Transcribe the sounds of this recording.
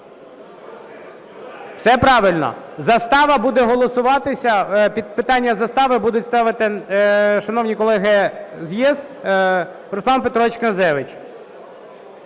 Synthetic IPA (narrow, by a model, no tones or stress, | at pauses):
t̪sɛpɾɑʋɪlʲnɔ̰zɐst̪ɑʋɐbud̪ɛɦɔlˠɔsʊʋɑt̪ɪsʲɐpʲid̪̚pɪt̪ɑnʲːɐzɐst̪ɑʋɪbud̪ʊtʲst̪ɑʋɪt̪ɪ | ʃɐnɔwnʲikɔlˠɛɦɪzjiz | ɾʊslˠɑnpet̪ɾɔʋʲit͡ʃkɐnzɛʋɪt͡ʃ